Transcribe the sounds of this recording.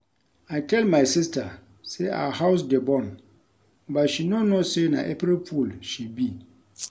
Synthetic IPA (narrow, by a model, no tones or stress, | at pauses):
aɪtʰɛlmaɪsɪstʰa | sea̰haʊs̬dɪbɔ̃n | batʃinõnosena̰ʔɛpɾɛlpʰulʃibi